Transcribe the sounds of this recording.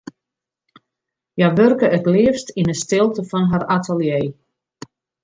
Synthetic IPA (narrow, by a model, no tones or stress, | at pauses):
jaʋørkəətlɪəfstinəstɪlˠtəfɔnɦaratʰəlˠjeː